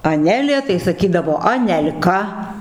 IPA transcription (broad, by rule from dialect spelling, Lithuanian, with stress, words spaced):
ɐˈnʲæːlʲeː tɐɪ sɐˈkʲiːdɐʋoː ɐnʲɛlʲˈkɐ